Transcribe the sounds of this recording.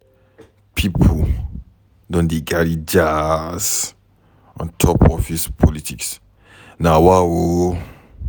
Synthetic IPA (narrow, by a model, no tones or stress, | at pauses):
pʰipʰo | dɔ̃ndeɡaɹid͡ʒas | ɔ̰̃ntʰɔpɔfispʰɔlitiks | nawawo